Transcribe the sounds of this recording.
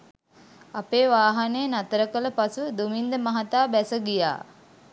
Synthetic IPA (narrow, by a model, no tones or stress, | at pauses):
apeːʋaːɦanejənat̪əɾəkələpasud̪umind̪əmaɦat̪aːbæsəɡija̰ː